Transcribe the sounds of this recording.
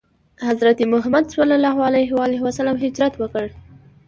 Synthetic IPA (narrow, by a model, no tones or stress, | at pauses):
hazɾat̪imʊɦamad̪swalːɑlɑɦalajɦwaleɦwasalamɦɪd͡ʒɾat̪wəkəɽ